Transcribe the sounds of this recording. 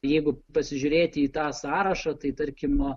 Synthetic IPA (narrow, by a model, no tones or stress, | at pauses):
jɛɪɡʊpɐsʲɪʒʲʊːɾʲeːt̪ʲɪiːt̪ɑːsɑːɾɐʃɐt̪ɐɪt̪ɐɾʲkʲɪm